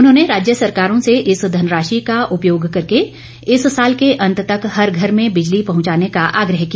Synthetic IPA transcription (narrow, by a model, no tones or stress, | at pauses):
ʊnɦõːneɾaːd͡ʒjəsɐɾkaːɾõseʔɪsd̪ʱɐnɾaːʃikaʔʊpjoːɡkɐɾke | ɪssaːlkeʔɐ̃nt̪t̪ɐkɦɐɾɡʱɐɾmẽbɪd͡ʒlipɐɦʊ̃ɲt͡ʃaːnekaʔaːɡɾəɦkij